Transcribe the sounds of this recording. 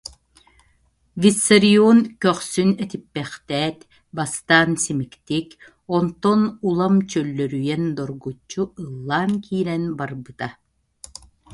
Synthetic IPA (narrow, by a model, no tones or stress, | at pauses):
visːɐɾioːnkœχsynɛt̪ipːɛχt̪ɛːt̪ | bast̪aːnsimikt̪ik | ɔnt̪ɔnulˠamt͡ɕœlːœɾyjɛnd̪ɔɾɡut͡ʃːuɯlˠːaːnkʰiːɾɛnbaɾbɯt̪a